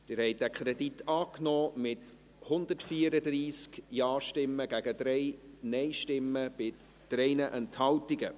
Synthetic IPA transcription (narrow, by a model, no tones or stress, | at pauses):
d̥ɪɾhɛɪt̚dækʰɾɛditːɑːknɔːmɪt | hʊnd̪ətfiːəɾədriːskjɑːʃtɪmːəɡæɡ̥əd̥ɾɛɪnɛɪʃtɪmːəb̥ɪ | d̥ɾɛɪnəʔɛnthɑltiɡə